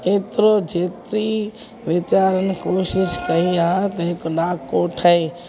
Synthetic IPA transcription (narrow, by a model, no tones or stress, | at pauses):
et̪ɾod͡ʒet̪ɾi | ʋɪt͡ʃaːɾənkoʃɪʃkəɦiaɦt̪ɐɦekoɖakːoʈʰəi